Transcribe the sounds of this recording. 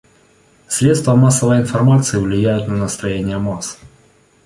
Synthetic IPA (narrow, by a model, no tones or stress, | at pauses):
sʲɾʲet̪st̪vəmasːəvəjɪnfɐrmat̪sɨɪvlʲɪjæjʊt̪nənəst̪ɾɐjenʲɪjəmas